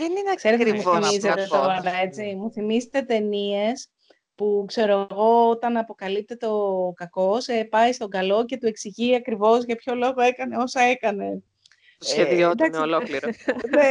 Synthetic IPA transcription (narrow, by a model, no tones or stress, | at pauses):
ðeninekse̞ɾeemuiizet̪etoɐnd̪ɐe̞t͡simuθimizet̪e̞t̪e̞nie̞s | pukse̞ɾoɣo̞ot̪ɐnɐpo̞kɐlip̚t̪e̞t̪eokɐko̞sepɐist̪o̞ŋɡɐlo̞ce̞t̪ue̞ksiʝiɐkɾivo̞zʝɐpço̞lo̞ɣo̞e̞kɐne̞o̞sɐekɐne̞ | t̪osçeðiod̪ɐnolokliɾone